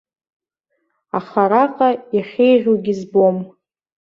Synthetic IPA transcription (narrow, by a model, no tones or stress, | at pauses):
aχaɾaqʼajaχʲejʒʲoɡʲizbom